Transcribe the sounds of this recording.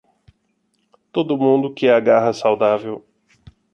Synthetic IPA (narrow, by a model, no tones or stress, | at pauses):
t̪od̪ʊmũnd̪ʊkɪaɡaɦɐsawd̪avew